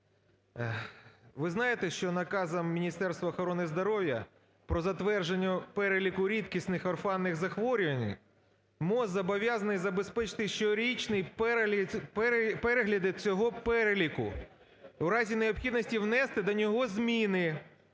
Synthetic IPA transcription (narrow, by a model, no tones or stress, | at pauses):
ʋɪznɑjet̪ɛʃt͡ʃɔnɐkɑzɐmːʲinʲist̪ɛrst̪ʋɐːxɔɾɔnɪzd̪ɔɾɔwʲjɐ | pɾɔzɐt̪ʋɛrʒenʲːɐpɛɾelʲikʊɾʲit̪kʲisnɪxɔrfɑnːɪɣzɐxʋɔɾʲʊʋɐnʲɪ̰j | mɔzɐbɔʋʲjazɐnɪjzɐbespɛt͡ʃɪ̥t̪ɪʃt͡ʃɔɾʲit͡ʃnɪjpɛppɛɾeɦlʲɐd̪ɪt͡sʲɔɦɔpɛɾelʲikʊ̰ | wɾɑzʲineɔpxʲid̪nɔsʲtʲiwnɛst̪ɪd̪ɔnʲɔɦɔzmʲinɪ